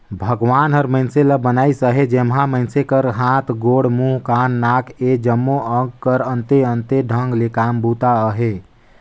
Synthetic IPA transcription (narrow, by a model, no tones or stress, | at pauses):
bʱəɡʋanɦəɾməɪnseləbənaːisəɦed͡ʒemɦãmə̃ɪnsekəɾɦãt̪ʰɡoɽmũɦkanːakʰed͡ʒəmːoʔə̃ɡkəɾənt̪eənt̪eɖʱə̃ŋɡlekambut̪aəɦe